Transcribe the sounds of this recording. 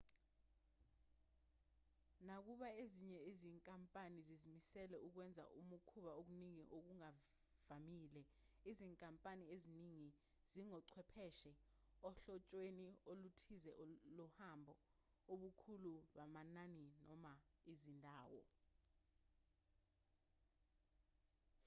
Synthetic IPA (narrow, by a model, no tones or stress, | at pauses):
nak̬uɓaeziɲɛeziŋkʼampʼanizizimisɛlɛʔuk̬wɛnd͡zʱa̰ʔumukʰuɓaok̬uniŋiʔok̬uŋa | vamiːlɛ | iziŋkʼampʼanieziniŋi | ziŋɔǀʰwɛpʰɛʃɛɔɬɔt͡ʃʼweniolutʰizɛlɔhambʱɔ | oɓukʰuluɓamananinɔmaizindʱaːwɔ̰